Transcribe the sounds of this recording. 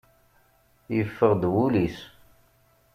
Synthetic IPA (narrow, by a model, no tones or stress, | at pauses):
jəfːəʁd̪wulis